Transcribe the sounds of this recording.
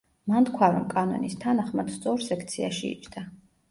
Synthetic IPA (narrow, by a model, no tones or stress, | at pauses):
mant̪kʰwaɾɔmkʼanɔ̰nist̪ʰanaχmad̪̥st̪sʼɔɾsɛkʰt̪sʰiaʃḭːt͡ʃʰd̪a